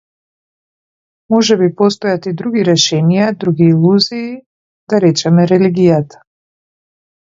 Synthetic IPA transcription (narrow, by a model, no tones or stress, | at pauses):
mɔʒɛbipɔs̬t̪ɔjat̪id̪ɾuɡiɾɛʃɛnijad̪ɾuɡiːlˠuziː | d̪aɾɛt͡ʃɛmɛɾɛliɡijat̪ḁ